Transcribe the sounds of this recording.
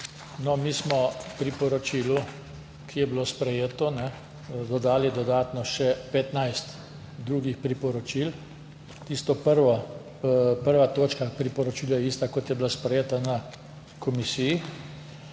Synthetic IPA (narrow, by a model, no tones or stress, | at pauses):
nɔmiːsmɔpɾipɔɾɔt͡ʃiːlu | kʰijɛbilospɾɛjeːt̪ɔnɛ | d̪ɔd̪aːlid̪ɔd̪aːt̪nɔʃɛpɛt̪najst̪ | d̪ɾuːɡixpɾipɔɾɔt͡ʃil | t̪ist̪ɔpəɾʋɔ | pəɾʋat̪oːt͡ʃkapɾipɔɾɔt͡ʃiːlajɛiːst̪akɔt̪jɛbilaspɾɛjeːt̪ana | kɔmisiji